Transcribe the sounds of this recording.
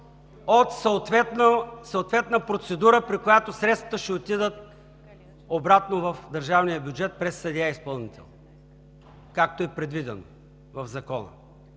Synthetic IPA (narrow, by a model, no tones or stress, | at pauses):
ot̪sət̪vɛt̪nsəot̪vɛt̪nəpɾot̪sɛd̪uɾəpɾikojat̪osɾɛt̪svɐ̥t̪əʃɛot̪id̪ət̪̚ | obɾat̪novɐfd̪ɐɾʒavnijəbʲjud͡ʒɛt̪̚pɾɛsːɐd̪ʲaispəlˠnit̪ʰɛ̰lˠ | kak̚t̪oɛpɾɛd̪vid̪ɛno̰ | vɐvzɐkɔnə̰